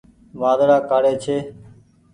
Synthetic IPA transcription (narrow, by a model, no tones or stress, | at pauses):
ʋaːd̪ɾaːkaːɽeːt͡ʃʰeː